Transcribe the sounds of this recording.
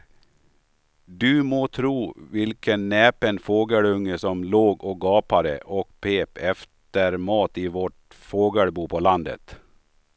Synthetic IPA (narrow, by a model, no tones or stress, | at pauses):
d̪ʉmoːt̪ʰɾuːvɪlkʰənːɛːpənfoːɡəɽɵŋːəsɔmloːɡɔɡɑːpaɾə̰ʔɔkpʰeːpɛft̪əɾmɑːt̪ɪvɔʈ | foːɡəɭbuːpʰɔland̪ə̰t̪